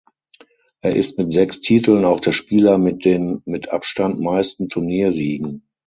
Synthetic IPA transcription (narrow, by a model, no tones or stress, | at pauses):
ʔeːɐʔɪstmɪtz̥ɛkstʰiːtl̩naʊxd̥eːɐʃpiːlɐmɪ̥eːnmɪtʰʔa̰pʃtantmaɪstn̩tʰʊɐniːɐziːɡŋ̩